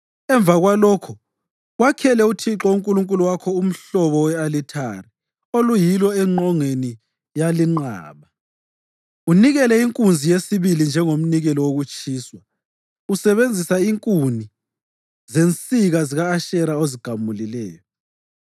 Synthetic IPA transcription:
ɛɱb̪vaɣwalɔːkʰɔ | wakʰɛlɛutʰiǁɔuŋkʼuluŋkʼuluwakʰɔum̩ɬɔβɔwɛalitʰa̰ri | olujilɔɛŋ͡ǃɔŋeni | jaliŋ͡ǃa̰ːβa | uniɣɛlɛiŋkʼund͡zʱijesiβilind͡ʒʱɛŋom̩niɣɛlɔwoɣut͡ʃʰʼiːswa | usɛβend͡zʱisaiŋkʼuni | zent͡sʼiɣaziɣaːʃɛɾaoziɡ̥ʱamulilɛːjɔ

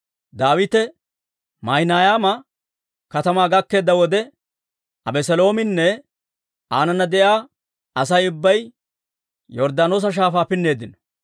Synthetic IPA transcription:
d̪aːwɪt̪ɛ | mɐjnaːjaːmɐ | kɐt̪ɐmaːɡɐkːe̞ːd̪ːɐwɔd̪ɛ | ɐ̰bɛsɛlo̞ːmɪnːɛ | aːnɐnːɐd̪ɛjaː | ɐs̬ɐjʊbːɐj | jɔɾd̪aːnoːs̬ɐʃ̬aːfaːpɪnːe̞ːd̪ɪnɔ

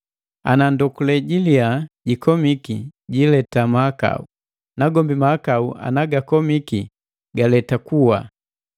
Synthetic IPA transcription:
a̰nandɔkulɛɟiliaɟikɔmikiɟilɛtamaaka̰ṵ | naɡɔmbimahakauʔa̰naɡakɔmiki | ɡalɛtakuwa

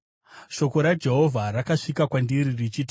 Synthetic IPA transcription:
ʃo̞ko̞ɾad͡ʒe̞ɦo̞vʱaɾakaʂikakwandiɾirit͡ʃiti

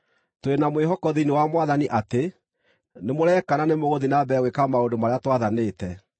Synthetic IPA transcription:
toenamweɦɔkɔðiniwamwaðaniʔate | nemoɾɛkananemoɣoðinabɛɣwekamaondomaɾeatwaðaneːtɛ

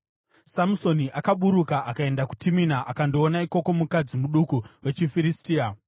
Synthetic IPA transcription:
samuso̞niʔakaɓuɾukaakae̞ndaku̥tʰiminaʔakando̞ːnaiko̞ko̞mukad͡zimuɗukuwe̞t͡ʃifiɾistiːa

